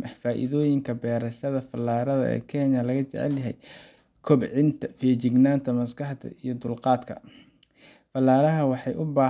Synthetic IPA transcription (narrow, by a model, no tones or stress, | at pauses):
ɐfaːʔɪ̰ðɔːjɪŋkʰɐbɛːɾɐʃɐðɐfɐlːaːɾɐðɐ̰ʔɛ̰ːkʰɛːnɐlɐɣɐt͡ʃɛ̰ʕɛ̰ljɐɦɛ̰j | kʰɔbʕɪnt̪ʰɐfɛːt͡ʃɪɡnaːnt̪ʰɐmɐskɑħt̪ʰɐ̰ʔijɞd̪ʊlqɑːd̪kʰɐ̰ | fɐlːaːɾɐɦɐwɑħɑjʔʊbaː